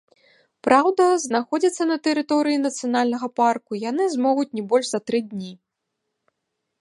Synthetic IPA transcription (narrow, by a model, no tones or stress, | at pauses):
pɾʔawd̪ɐznaxɔd͡zʲit̪sːɐnɐt̪ɛɾɨt̪ɔɾɨjinɐt̪sɨjanalʲnɐɣɐparkujanɨzmɔɣut͡sʲnʲɛbɔlʲʐzɐt̪ɾɨd̪ʲnʲi